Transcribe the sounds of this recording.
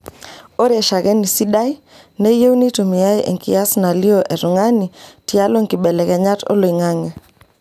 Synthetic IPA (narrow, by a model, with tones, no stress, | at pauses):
o˦ɾɪ˦ɛ˨ʃa˨kɛ˦ni˨si˦da˦j | ne˦je˦wni˦to˨mi˨ja˦jʔḛ˨ŋkḭ˨ja˦sna˨lɪ˦o˦ʔɛ˨ɾʊ˨ŋa˦ni˨tja˦lo˦ŋkɪ˨bɛ˨lɛ˨kɛ˨ɲa˦to̰˦lo˨i˨ŋa˦ŋɛ˨